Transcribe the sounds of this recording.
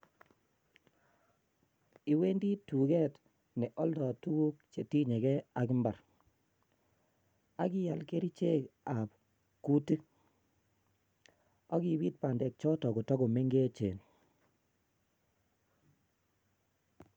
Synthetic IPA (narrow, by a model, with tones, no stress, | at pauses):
i˨we˦ndi˦tu˨ɡɛ˦t | nɛ˨ʔɔ˦ldɔ˨tu˦wu˦k̚t͡ʃe˨ti˦ɲe˨ɡɛ˦a˨ki˦mba˨ɾ | a˦ki˦ja˨lke˦ɾi˦t͡ʃe˦ka˨p̚ | ku˦ti˦ | ɔ˦ki˨βi˦t̚pa˨ndɛ˨k̚t͡ʃɔ˦tɔ˨ku˨tɔ˦ɡo˨me˦ŋɡe˦t͡ʃḛ˨n